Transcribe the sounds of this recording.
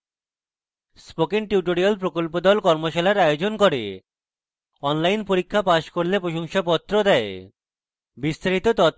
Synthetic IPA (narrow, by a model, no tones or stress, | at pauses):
spokiŋʈiuʈoɾialpɾokolpod̪ɔlkɔɾmoʃalaɾajod͡ʑonkoɾḛ | ɔnlajnpoɾikʰːapaʃkoɾlepɾoʃoŋʃapɔt̪ːɾod̪aḛ | bist̪aɾit̪ot̪ɔt̪